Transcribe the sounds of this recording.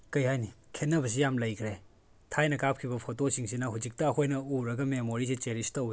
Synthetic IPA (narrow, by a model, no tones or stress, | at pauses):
kɐjhajnikʰenːɐbɐs̬ijamlɐjkʰɾe | tʰajnɐkap̚kʰiβɐpʰotosiŋsinɐɦud͡ʒik̚tɐːkʰojnɐuɾɐɡɐmemoɾis̬it͡ʃeɾistɐwi